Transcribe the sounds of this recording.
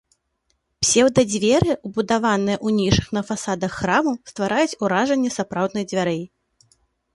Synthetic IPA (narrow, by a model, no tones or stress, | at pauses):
psʲɛwd̪ɐd͡zʲvʲɛɾɨubud̪avanɨjɐʔunʲiʂɨxnɐfasad̪ɐxːɾamɐst̪vaɾʔajut͡sʲuɾaʐɐnʲːɛsapɾawd̪nɨjd͡zʲvʲaɾɨ